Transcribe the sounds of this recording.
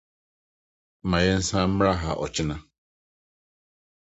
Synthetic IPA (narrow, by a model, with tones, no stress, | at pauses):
ma˨je˦n̩˦sa˦m̩˦mɾa˦ɦa̰˨ʔɔ̰˨t͡ʃɪ˦na˦